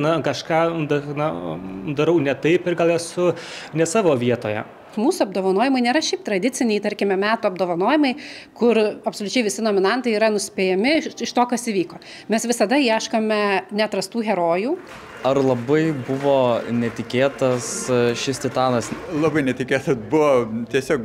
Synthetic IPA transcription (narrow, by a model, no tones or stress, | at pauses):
nɐkɐʃkɑːd̪ɐnɐd̪ɐɾɐʊnʲɛt̪ɐɪpɪrɡɐlˠjɛsʊnʲɛsɑːʋoːʋʲiɛt̪oːjɛ̰ | muːsuɐb̚d̪oːʋɐnoːjɪmɐɪnʲeːɾɐʃʲɛɪp̚t̪ɾɐd̪ʲɪt͡s̪ʲɪnʲɛit̪ɐɾʲkʲɪmʲɛmʲæːt̪uːɐb̚d̪oːʋɐnoːjɪmɐɪkʊɾɐpsoːlʲʊt͡ʃʲɛɪʋʲɪsʲɪnoːmʲɪnɐnt̪ɐɪiːɾɐnʊsʲpʲeːjɛmʲɪɪʃt̪oːkɐsiʋʲiːkoː | mʲɛsʋʲɪsɐd̪ɐɛʃkoːmʲɛnʲɛt̪ɾɐst̪uːɣʲɛɾoːjuː | ɐrlˠɐbɐɪbʊʋoːnʲɛt̪ʲɪkʲeːt̪ɐsʃʲɪst̪ʲɪt̪ɑːnɐslˠɑbɐɪnʲɛt̪ʲɪkʲeːt̪ɐsbʊʋoːt̪ʲiɛsʲoːk